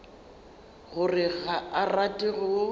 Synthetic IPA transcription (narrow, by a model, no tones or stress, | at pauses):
ɣʊrɪɣaaratʼɪɣʊ